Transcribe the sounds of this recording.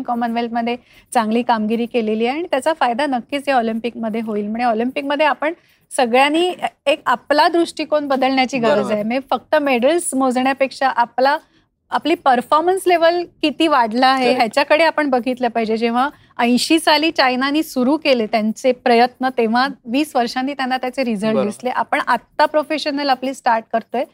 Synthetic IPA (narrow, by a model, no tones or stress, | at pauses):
kɔmənʋelpməd̪ʱːje | t͡sãŋɡliːkamɡiɾiːkeleliːeaɽ̃it̪jat͡safajd̪anəkːiːt͡sɦeɔlimpik̚məd̪ʱːjeɦoiːlm̤uɳ̃eɔlimpik̚məd̪ʱːeapəɳ | səɡɭjaniːekaplad̪ɾuʂʈiːkoɳbəd̪əlɳjat͡ɕiːɡəɾəd͡zajmefək̚t̪əmeɽəlsm̤od͡zɳjapekʂaʔaplaː | pliːpəɾfɔɾmənsleʋəlkit̪iːʋaɽlaːɦeɦjat͡ɕjakəɽeapəɳbəɡʱit̪lepaɦid͡ʑed͡ʑeʋ̤a | ə̃j̃ɕisaliːt͡ɕajnaniːsuɾuːkelet̪jant͡sepɾəjət̪nət̪eʋ̤aʋiːsʋəɾʂãnːiːt̪janːat̪jat͡seɾid͡zəɾd̪isleʔapəɳat̪ːapɾofeɕənəlapliːsʈaɾʈ̚kəɾt̪oe